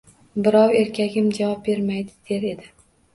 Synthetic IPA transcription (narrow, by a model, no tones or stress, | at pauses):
bɪɾɒwe̞ɾkʲʰaɡʲɪmd͡ʒavɒp̚be̞ɾmajd̪ɪd̪̥eɾe̞d̪ɪ